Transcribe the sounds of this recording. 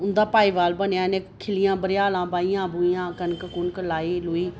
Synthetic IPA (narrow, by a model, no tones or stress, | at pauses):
ʊnd̪aːpaːiːʋaːlbənjaːneːkʰɪlɪjãːbəɾɪjaːlãːbaːijãːbʊijãːkənkəkʊnkəlaːiːlʊiː